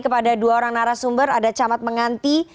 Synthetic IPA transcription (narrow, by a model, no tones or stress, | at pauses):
kəpadaduaoɾaŋnaɾasumbəɾadat͡ʃamat̪̚məŋant̪i